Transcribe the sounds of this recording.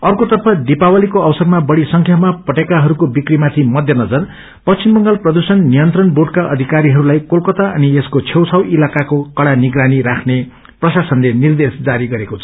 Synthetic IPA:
ʌrkot̪ʌrpʰʌd̪ipawalikoʌbsʌrmabʌɽisʌŋkʰjamapʌʈekaɦʌɾukobikɽimat̪ʰimʌd̪ʱjʌnʌd͡zʌr | pʌt͡st͡sʰimbʌŋɡʌlprʌd̪usʌnːijʌnt̪rʌnboɖkaʔʌd̪ʱikaɾiɦʌɾulajkolkʌt̪aʌnieskot͡sʰewt͡sʰʌwʔilakakokʌɽaniɡɾaniɾakʰne | prʌsasʌnlenird̪esd͡zaɾiɡʌɾekot͡sʰʌ̥

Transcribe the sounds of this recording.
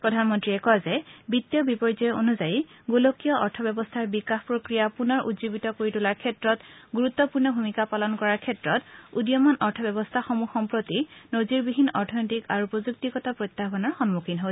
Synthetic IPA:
pɹɔdʱanmɔntɹiɛkɔzɛbitːijɔbipɔɹzɔɛʔo̰nuzajiɡulokijɔʔɔɹtʰɔbɛbɔstʰaɹbikaxpɹokɹijapunɔɹʔṵdzobitɔkoɹitulaɹkʰɛtɹɔtɡuɹut̪ːɔpuɹnɔbʱumikapalɔnkɔɹaɹkʰɛtɹɔtudijɔmɔnɔɹtʰɔbɛbɔstʰaxɔmuxɔmpɹotinoziɹbiɦinːɔɹtʰɔnɔtikaɹuupɔzuk̚tikɔtapɹot̪ːapɔnɔɹxɔnmukʰinɦo

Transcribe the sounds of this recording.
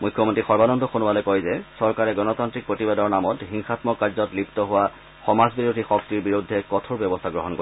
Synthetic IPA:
mujkʰːjɔmontɹixɔɹbanɔndɔxonualɔkojzɛsɔɹkaɹɛɡɔnɔtantɹik̚pɹotibadɔɹnamɔtɦiŋxatmɔkːaɹzɔtliptɔɦʊwa | xɔmazbiɹudʱixɔk̚tiɹbiɹudʱːɛkɔtʰoɹbjɛbɔst̪ʰaɡɹɔɦɔnko

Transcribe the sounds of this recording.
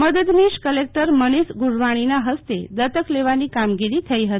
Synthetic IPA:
məd̪əd̪niʃkəlek̚ʈəɾmənisɡuɽʋaɽ̃inaɦəst̪ed̪ət̪əkleʋanikamɡiɾit̪ʰəiɦət̪i̥

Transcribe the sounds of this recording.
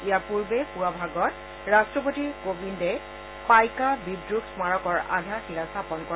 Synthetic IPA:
ijapuɹbɛpuabʱaɡɔt | ɹastɹɔpotiɹkobindɛ | pajkabidɹuɡsmaɹɔkɔɹa̰dʱaxilasapɔnkɔ

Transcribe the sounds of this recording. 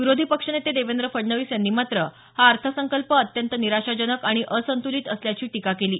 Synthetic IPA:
ʋiɾod̪ʱiːpəkʂənet̪ed̪eʋend̪ɾəfəɽɳəʋiːsjanːiːmat̪ɾə | haəɾt̪ʰəsəŋkəlpəːt̪jənt̪əniɾaʂad͡ʑənəkaɽ̃iʔəsənt̪uliːt̪əsljat͡ɕiːʈikakeliː

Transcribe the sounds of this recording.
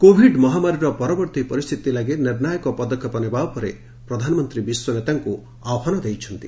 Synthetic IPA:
kobʱiɖmɔɦamaɾiɾɔpɔɾɔbɔɾt̪ipɔɾist̪ʰit̪ilaɡeniɾnajɔkɔpɔd̪ɔkʰːɔpɔnebaɔpɔɾe | pɾɔd̪ʱanɔmɔnt̪ɾibiswɔnet̪aŋku | awɦɔnɔd̪ejt͡ʃʰɔnt̪i

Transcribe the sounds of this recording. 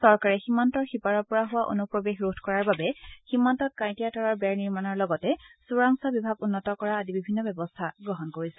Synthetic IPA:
sɔɹkaɹɛximantɔɹxipaɹɔɹpɔɹaɦʊwaʔo̰nupɹobexɹutkɔɹaɹbabɛximːantɔt̚kãj̃tijatɔɹɔɹbɛɹniɹmanɔɹlɔɡɔtɛsuɹaŋsabibʱaɡʊnːɔtɔkɔɹaːdibibʱinːɔbɛbɔstʰaɡɹɔɦɔnkoɹisɛ

